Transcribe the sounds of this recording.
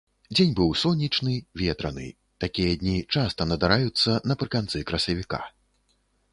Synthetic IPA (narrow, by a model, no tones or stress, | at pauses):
d͡zʲenʲbɨwsɔnʲːit͡ʂnɨvʲet̪ɾɐnɨ̰ | t̪akʲijɐd̪ʲnʲit͡ʂast̪ɐnɐd̪aɾajut̪sːɐnɐpɾɨkant̪sɨkɾɐsɐvʲika̰